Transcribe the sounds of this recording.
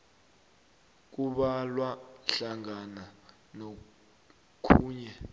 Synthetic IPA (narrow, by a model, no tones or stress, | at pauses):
k̬uɓalwaɬaŋana | no | kʰuːɲɛ